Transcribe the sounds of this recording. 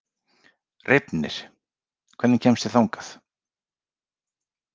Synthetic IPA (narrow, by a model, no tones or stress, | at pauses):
rɪpnɪ̰ɾ̥ | kʰvɛɾðnɪncʰɛmst̪ɪθawŋkaθ